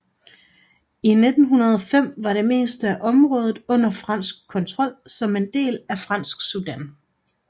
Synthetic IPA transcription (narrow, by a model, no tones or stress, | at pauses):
ine̝d̥n̩ɦunɐð̞ˠɒ̽fem̰ʋɑ̈ɾ̥e̝me̝̰ːsd̥əæʔɒ̽mʁɔ̽ːð̞ˠð̩ˠɔ̽n̰ɐfʁɑ̈n̰sɡ̥̚kʰːɒ̽nt͡sʰʁɒ̽l̰sɒ̽me̝nd̥e̝̰ːlæfʁɑ̈n̰sɡ̥sud̥æn̰